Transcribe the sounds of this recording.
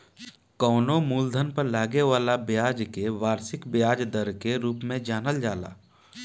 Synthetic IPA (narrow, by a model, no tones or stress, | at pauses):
kɔːnomuːld̪ʱənpəɾlaːɡeʋaːlabjaːd͡ʒkeʋaːɾsɪkbjaːd͡ʒd̪əɾkeɾuːpmẽd͡ʒaːnəld͡ʒaːla̰ː